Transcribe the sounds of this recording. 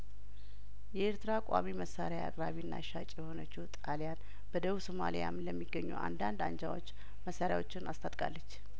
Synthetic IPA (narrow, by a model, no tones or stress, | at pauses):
jɛeɾt̪ʰɨɾakʷʼa̰miməsːaɾjaa̰kʼɾaβinːa̰ʃat͡ʃʼjɛho̞nət͡ʃːut̪ʼalijan | b̥əd̪əβusoma̰lḭja̰mləmːiɡːəɲːṵʔa̰nd̪and̪and͡ʒawo̞̰t͡ʃː | məsːaɾjawo̞t͡ʃːɪnʔast̪ʰat̪ʼkʼa̰lːət͡ʃː